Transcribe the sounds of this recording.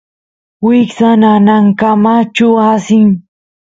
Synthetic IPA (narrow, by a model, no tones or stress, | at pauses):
wɪksananaŋkamat͡ʃʊasɪŋ